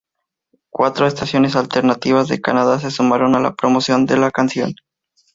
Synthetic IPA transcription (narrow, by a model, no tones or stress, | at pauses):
kwat̪ɾo̞est̪asjo̞ne̞salt̪e̞ɾnat̪iβazðekanaðas̬esumaɾo̞nala̰pɾo̞mo̞sjo̞nd̪elakansjo̞̰n